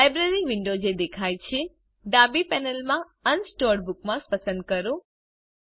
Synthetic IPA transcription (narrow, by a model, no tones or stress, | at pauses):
lajbɾeɾiʋɪɳɖod͡ʒed̪ekʰajt͡ʃʰe | ɖabipɛnəlmã | ənsʈɔɾɾbuk̚mãspəsə̃nd̪̚kəɾo